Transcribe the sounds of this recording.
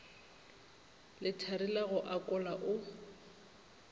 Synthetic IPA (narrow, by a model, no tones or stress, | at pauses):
lɪtʰaɾilaɣʊʔakʼʊlaʔʊ